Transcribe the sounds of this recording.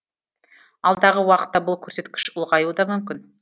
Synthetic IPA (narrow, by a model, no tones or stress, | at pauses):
ɑlˠd̪ɑʁəwɑqə̥t̪ːɑbʊlˠkʲʰɵɾse̞t̪kʲɪ̥ʃʊlˠʁɑjuəd̪ɑmʏmkʲɪn